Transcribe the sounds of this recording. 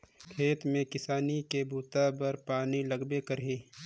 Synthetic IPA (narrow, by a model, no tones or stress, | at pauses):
kʰeːt̪mẽkɪsaːnikebʱuːt̪abəɾpaːniləɡbekəɾeː